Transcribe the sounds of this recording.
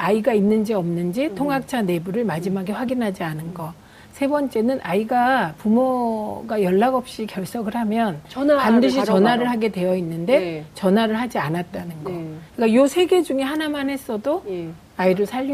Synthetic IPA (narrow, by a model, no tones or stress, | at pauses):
aiɡainːɯnd͡ʑiʌmnɯnd͡ʑitʰoŋɦak̚t͡ɕʰane̞buɾɯɭmad͡ʑimaɡe̞ɸwaɡinɦad͡ʑianɯnɡʌ | sʰe̞bʌnt͡ɕ͈e̞nɯnʔaiɡapumoɡajʌɭːaɡʌp̚ɕ͈ikjʌɭs͈ʌɡɯɭhamjʌnpandɯɕ̬ʰit͡ɕʌnɦwaɾɯɭɦaɡe̞dwe̞jʌinːɯnde̞t͡ɕʌnɦwaɾɯɭɦad͡ʑianat̚t͈anɯnɡʌk͈ajosʰe̞ɡe̞d͡ʑuŋe̞hanamanɦe̞s͈ʌdo | aiɾɯɭsʰaʎː